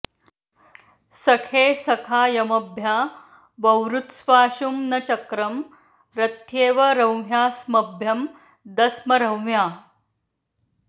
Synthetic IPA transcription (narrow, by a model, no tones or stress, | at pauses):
sɐkʰeːsɐkʰaːjɐmɐbʱjaː | bɐwɾut̪sʋaːʃumnɐt͡ɕɐkɾɐm | ɾɐt̪jeːʋɐɾɐwmjaːsmɐbʱjɐm | d̪ɐsmɐɾɐwmjaː